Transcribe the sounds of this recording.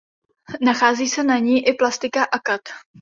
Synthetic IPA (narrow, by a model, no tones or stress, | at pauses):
naxaːziːsɛnaɲiːʔɪplast̪ɪkaʔakat̪